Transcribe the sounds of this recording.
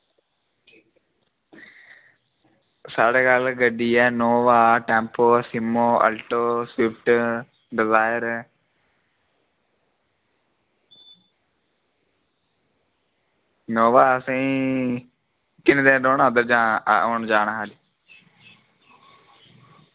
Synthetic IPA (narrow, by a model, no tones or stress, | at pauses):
saːɖeːkalɡəɖːiːɛːnoːʋaːʈɛ̃ːmpoːsɪmoːə̰lʈoːsɪp̚ʰʈ | ɖɪzaːjəɾ | noːʋaːəsĩː | kɪnd̪ẽːɖoːnaəd̪əɾd͡ʒaːoːɳd͡ʒaːnaːɦaːli